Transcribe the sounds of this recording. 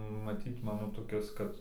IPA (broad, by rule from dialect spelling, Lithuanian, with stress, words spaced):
mɐˈtʲiːt ˈmɑːnoː toːˈkʲɪs ˈkɐt